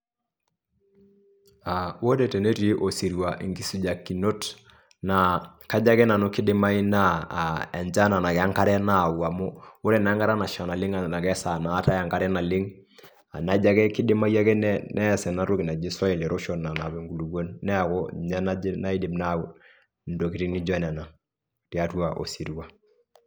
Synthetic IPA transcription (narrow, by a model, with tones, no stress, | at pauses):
a˨wo˦de˦˨tɛ˨ne˦te˦ʔo˨si˨ɾi˨wa˨ʔḭ˨ŋki˨su˨d͡ʒa˨kːi˨no˦t | na˨ka˦d͡ʒa˦kɛ˦na˨nu˦ki˦dɪ˦ma˦i˦na˦˨ɛ˨nd͡ʒa˦na˨na˨kɛ˨a˦ŋka˦ɾɛ˦na˦˨wa˨mʊ˦u˦ɾɛ˨na˨˦ŋɡa˦ɾa˦na˨ʃa˨na˨lɪ˦ŋa˨na˨kɛ˦sa˨na˨˦ta˦a˨ŋka˦ɾɛ˦na˨lɪ˦ŋ | a˨na˦d͡ʒa˦kɛ˦ki˦dɪ˦ma˦ja˦kɛ˦nɛnʔɛ˦sɛ˨na˦ɾu˦ki˨na˨d͡ʒi˦sɔ˦i˨lɛ˨ɾo˦ʃɔ˨na˨na˨bɛ˨ŋɡu˨lu˨ɡo˦nːɛ˦a˨kɔ˦˨ɲa˦na˦na˦i˦di˨mna˦˨ | n̩do˨ki˨ɾi˦ni˦d͡ʒɔ˦nɛ˨na˨ | ti˨a˦tu˦a˨ʔo̰˨si˨ɾu˦wa˦